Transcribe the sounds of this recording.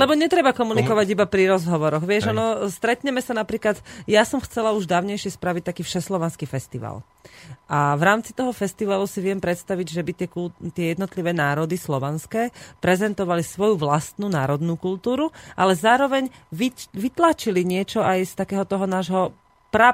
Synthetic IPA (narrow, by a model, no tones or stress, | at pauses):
lɛbɔɲɛt̪ɾɛbakɔmunikɔʋaɟibapɾiɾɔzɦɔʋɔɾɔɣʋɪɛʒɔnɔst̪ɾɛt̪ɲɛmɛsanapɾiːklat̪jasɔmxt͡sɛlauʒd̪aːʊɲɛjʃɪɛspɾaʋic̚t̪akiːfʃɛslɔʋɛnskifɛst̪iʋa̰l | ʔavɾaːmt͡sit̪ɔɦɔfɛst̪iʋalusiʋɪɛmpɾɛt̪st̪aʋiɟʒɛbit̪ɪɛkut̪ɪɛjɛd̪nɔt̪liʋɛːnaːɾɔd̪islɔʋɛnskɛːpɾɛzɛnt̪ɔʋalisʋɔjuʋlast̪nuːnaːɾɔd̪nuːkult̪uːɾuʔalɛzaːɾɔʋɛɲʋiʋit̪laːt͡ʃiliɲɪɛt͡ʃɔajst̪akɛːɦɔt̪ɔɦɔnaːʒɦɔ | pɾa